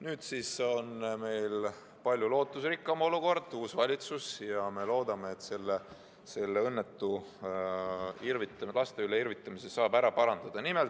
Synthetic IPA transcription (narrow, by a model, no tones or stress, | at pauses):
nyːd̪siso̞nme̞jl | pɑlʲjulo̞ːt̪ːˑusrikːˑɑmo̞luko̞rd̪̥uːsvɑlʲit̪susjɑme̞lo̞ːd̪̥ɑme̞ːt̪se̞lːe | se̞lːe̞ɤnːet̪ˑːu | irvit̪ːˑɑlɑst̪e̞yleirvit̪ːˑɑmisesɑːbæɾɑpɑɾɑnd̪̥ɑd̪̥ɑnimelt̪